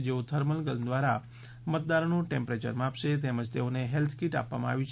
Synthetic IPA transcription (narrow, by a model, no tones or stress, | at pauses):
d͡ʒeot̪ʰəɾməlɡəlmd̪ʋaɾa | mət̪̚d̪aɾonũʈɛ̃mpɾet͡ʃə̰ɾmapʃet̪eməd͡ʒt̪eoneɦelt̪ʰkiʈa̰pʋa̰mãa̰ʋjũt͡ʃʰ